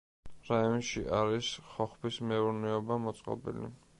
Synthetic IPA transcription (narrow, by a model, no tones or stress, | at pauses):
ɾajɔnʃiʔaɾisχɔχbismɛuɾnɛɔbamɔt̪sʼqʼɔ̰bḭlḭ